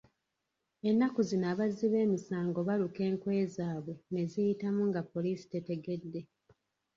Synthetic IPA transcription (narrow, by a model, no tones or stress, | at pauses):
e̞nːakuzinaːβaziβe̞ːmisaːŋɡo̞βaluke̞ːŋkwe̞ːzaːβwe̞ne̞zijitamuŋɡapːo̞liːsi̥te̞te̞ɡe̞dːe̞